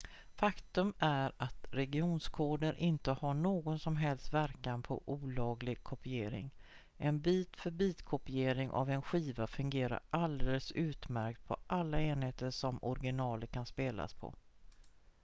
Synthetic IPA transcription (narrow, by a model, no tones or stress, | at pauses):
fakt̪ɵmæɾat̪ɾɛɡɪuːnskʰoːd̪əɾʔɪnt̪əhaɳoːɡɔnsɔmɦɛlst̪væɾkanpʰɔ̰ʔuːlɑːɡlɪɡ̚kʰɔpɪeːɾɪ̰ŋ | ʔɛnbiːt̪fœɾbiːt̪kʰɔpɪeːɾɪŋʔa̰vɛnɧiːvafɵŋɡeːɾa̰ɾʔald̪ɛləsʉ̟ːt̪mæɾkt̪̚pʰɔ̰ʔalːaeːnheːt̪əʂɔmɔɾɡɪnɑːləɾkʰanspeːla̰spʰɔ̰